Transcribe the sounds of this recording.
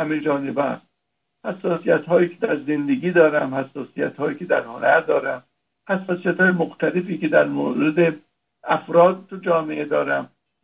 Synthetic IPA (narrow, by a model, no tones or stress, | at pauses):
hæmed͡ʒɒːnebæs | hæsːɒːsijæt̪ɦɒːjiːkʰe̥d̪æɾzend̪eɡiːd̪ɒːɾæmhæsːɒːsijæ̰t̪hɒːjiːkʰed̪æ̰ɾhonæɾd̪ɒːɾæm | hæsːɒːsijæt̪hɒːjemoxt̪ʰælefiːked̪æɾmo̰ːɾed̪e | æfɾɒːd̪̚t̪ːud͡ʒɒːmeʔed̪ɒːɾæm